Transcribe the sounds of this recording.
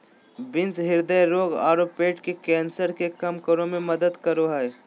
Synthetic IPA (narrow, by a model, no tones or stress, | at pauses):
bɪ̃nsɦɪɾd̪əjɾoːɡa̰ːɾoːpeːʈkekɛːnsəɾkekɐmkəɾõmẽmɐd̪əd̪kəɾoɦɛj